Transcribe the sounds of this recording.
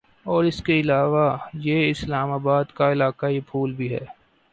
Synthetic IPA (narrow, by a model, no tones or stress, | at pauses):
ɔːɾɪskeɪlaːʋajeɪslaːmaːbaːd̪kaɪlaːkaipʰuːlbʱiɦɛ̰ː